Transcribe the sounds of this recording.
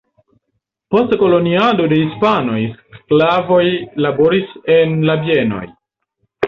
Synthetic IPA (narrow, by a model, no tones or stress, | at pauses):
po̞stko̞lo̞niado̞de̞hispano̞jsklavo̞jlabo̞ɾise̞nlabie̞no̞̰j